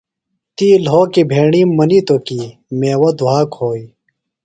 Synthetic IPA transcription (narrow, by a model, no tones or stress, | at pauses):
t̪iːlɦoːkibʱeːɳimːɐnit̪okimeːwɐd̪uaːkhoːiː